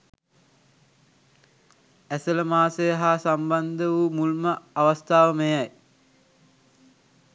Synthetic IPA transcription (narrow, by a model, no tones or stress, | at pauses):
æsələmaːsejəɦasamband̪əʋumulməaʋəst̪aːʋəmejaj